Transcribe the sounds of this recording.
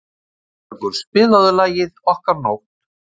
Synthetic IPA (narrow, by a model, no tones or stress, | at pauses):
aɾkʏɾspɪːlaðʏlaːjɪðɔhkaɾnowht̪